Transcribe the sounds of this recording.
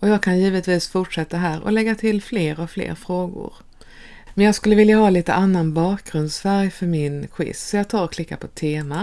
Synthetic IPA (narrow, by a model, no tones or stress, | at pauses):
ɔjɑːɡ̚kʰanjiːvət̪viːsfʊʈʂɛt̪ːaɦæːɾɔ̰lɛɡːat̪ʰɪlːfleːɾɔflḛːɾfɾoːɡʊ̰ɾ | mɛnjɑːɡskɵlːəvɪljaɦɑːliːt̪ə̰ʔanːanbɑːkɡɾɵnd̪sfæɾjfœɾmɪnɧɪ̰ssɔjɑːɡ̚t̪ʰɑːɾɔkʰlɪkːapʰɔt̪ʰeːma